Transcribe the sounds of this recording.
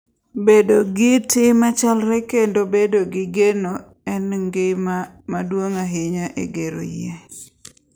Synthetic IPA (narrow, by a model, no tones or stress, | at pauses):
bedoɡɪtɪmat͡ʃalɾɛkendobedoɡɪɡeno | ɛnŋɡe | madwoŋaɦɪɲaʔḛɡeɾo̰je